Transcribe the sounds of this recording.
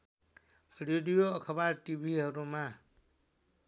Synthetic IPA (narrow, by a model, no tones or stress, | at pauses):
ɾeɖijoəkʰəbaːɾʈibʱiɦəɾũmã